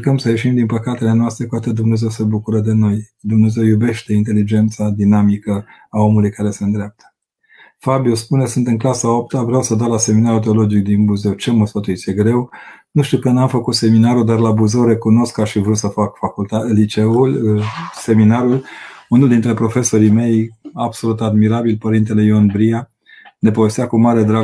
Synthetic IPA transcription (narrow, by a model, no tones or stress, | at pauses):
kəmsəjeʃimd̪inpəkat̪e̞le̞noast̪ɾe̞kuat̪əd̪umne̞ze̞wsebukuɾəd̪e̞no̞j | d̪umne̞ze̞wjube̞ʃt̪e̞int̪e̞lid͡ʒe̞nt̪sad̪inamikə | ao̞mulujkaɾe̞se̞nd̪ɾeap̚t̪ʰə̥ | fabiospune̞sɨnt̪ɨŋklasaopt̪avɾeawsəd̪aɾlase̞minaɾut̪̬eo̞lo̞d͡ʒik̚d̪inbuze̞wt͡ʃe̞məsfət̪uit̪sʲje̞ɡɾe̞wnuʃt̪iwkənamfəkut̪se̞minaɾud̪arlabuze̞wɾe̞kuno̞skaʃivɾut̪səfakfakult̪alit͡ʃe̞ulse̞minaɾulunuld̪int̪ɾe̞pɾo̞fe̞so̞ɾime̞jab̥so̞lut̪ad̪miɾabilpəɾint̪̬e̞le̞jonbɾia | ne̞povest̪akumaɾe̞d̪ɾa